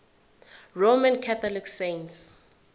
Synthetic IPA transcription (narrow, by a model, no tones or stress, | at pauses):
ɹomãnkʰat̪ʰɔliksẽns